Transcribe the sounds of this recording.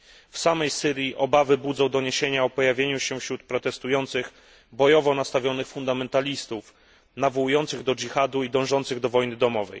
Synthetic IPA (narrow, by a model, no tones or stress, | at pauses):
fsamɛjsɘɾʲjiʔɔbavɘbud̪zɔ̃w̃d̪ɔɲeɕeɲaɔpɔjavʲjeɲuɕɛfɕɾut̪̚pɾɔt̪ɛst̪ujɔnt̪sɘx | bɔjɔvɔnast̪avʲjɔnɘxfund̪amɛnt̪alʲist̪uf | navɔwujɔnt̪sɘɣd̪ɔd͡ʒixad̪uid̪ɔ̃w̃ʐɔnt̪sɘɣd̪ɔvɔjnɘd̪ɔmɔvɛ̰j